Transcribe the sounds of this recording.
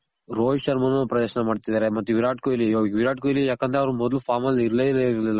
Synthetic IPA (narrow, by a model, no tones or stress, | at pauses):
ɾoːjʂɐɾmɐnopɾɐd̪ɐʃɐnɐmaːɖt̪id̪aːɾemɐt̪ːuʋiɾaːʈkojilːijoʋiɾaːʈ̚kojilijaːkɐnt̪eɐʋɐɾumɔd̪ɐlupʰaːɾmɐliɾleliɾɐlilːa